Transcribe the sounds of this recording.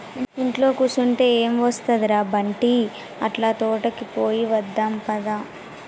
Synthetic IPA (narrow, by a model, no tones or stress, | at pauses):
iiɳʈlo̞ːkuːsuɳʈe̞ːeːmʋɐst̪ɐd̪iɾaːbɐɳʈi | ɐ̰ʈlaːt̪ɔːʈɐkipoːjiʋɐd̪ːaːmpɐd̪am